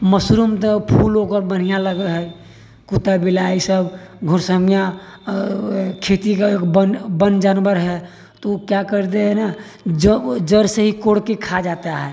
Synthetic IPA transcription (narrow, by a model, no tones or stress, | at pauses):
məsɾumt̪əpʰulokəɾbən̤ijaləɡəlɦɛ | kut̪abilaisəbɡʱoɾsəmija | kʰet̪ikaekbənbənd͡ʒanbəɾɦɛ | t̪okjakəɾt̪eɦɛna | d͡ʒd͡ʒəɾseɦikoɽkekʰad͡ʒat̪aɦɛ